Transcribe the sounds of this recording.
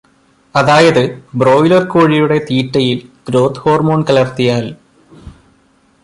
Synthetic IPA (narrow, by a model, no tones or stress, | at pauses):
ɐðaːjɐðɨbro̞ːjlɐrkoːɻijuɽe̞t̪iːʈːɐjilɡ̥ɾo̞ːd̪ho̞ːrmo̞ːɳkɐlɐrt̪ijaːl